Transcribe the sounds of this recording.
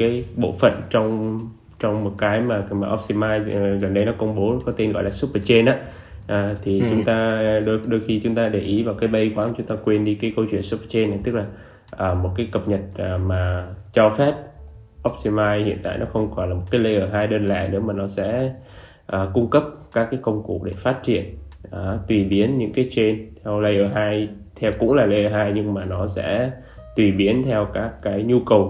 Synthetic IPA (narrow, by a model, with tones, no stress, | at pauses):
kaː˨˦jɓo̰˧˨fə̰˧˨nt͡ɕɔ˧wŋ͡m | t͡ɕɔ˧wŋ͡mmo˨˩t̚kaː˨˦jmaː˨˩maː˨˩ʔɔ˦˥p̚si˧maː˧jɣə˨˩nɗə˧jnɔ˨˦kə˧wŋ͡mɓo˨˦kɔ˨˦t̪e˧nɣɔ̰˧˨laː˨˩su˦˥p̚əː˧˩t͡ɕe˧nʔaː˨˦ | ʔaː˨˩t̪ʰi˨˩t͡ɕʊ˨˦ŋ͡mt̪aː˧ɗɗo˧jxi˧t͡ɕʊ˨˦ŋ͡mt̪aː˧ɗe˨˩ʔi˨˦vaː˨˩wkaː˨˦jɓə˧jkwaː˨˦mt͡ɕʊ˨˦ŋ͡mt̪aː˧kwe˧nɗi˧kaː˨˦jkə˧wt͡ɕwḭ˧˨ənsu˦˥p̚ə˨˩t͡ɕe˧na˨˩jt̪ɨ˦˥k̚laː˨˩ | ʔəː˨˩mo˨˩t̚kaː˨˦jkə˨˩p̚ɲə˨˩t̚ə˨˩maː˨˩t͡ɕɔ˧fɛ˦˥p̚ | ʔɔ˦˥p̚ti˧maː˧jhḭ˧˨ənt̪a̰ː˧˨jnɔ˨˦xə˧wŋ͡mkɔ˨˧˩nlaː˨˩mo˨˩t̚kaː˨˦jlə˧jʔəː˧˩ɦaː˧jɗə˧nla̰ː˧˨jnɨ̰˧˥əmaː˨˩nɔ˨˦sɛ̰˧˥ | ʔəː˨˩kʊ˧ŋ͡mkə˦˥p̚kaː˦˥kːaː˨˦jkə˧wŋ͡mkṵ˧˩˨ɗe˧˩faː˦˥t̚t͡ɕḭ˧˨ən | ʔəː˨˩t̪wi˨˩ɓi˨˦ənɲɨ̰˧˥ŋkaː˨˦jt͡ɕe˧nt̪ʰɛ˧wlə˧jʔəː˨˩ɦaː˧j | t̪ʰɛ˧wkʊ̰˧˥ŋ͡mlaː˨˩lə˧jʔəː˨˩ɦaː˧jɲɨ˧ŋmaː˨˩nɔ˨˦sɛ̰˧˥ | t̪wi˨˩ɓi˨˦ənt̪ʰɛ˧wkaː˦˥kːaː˨˦jɲu˧kə˨˩w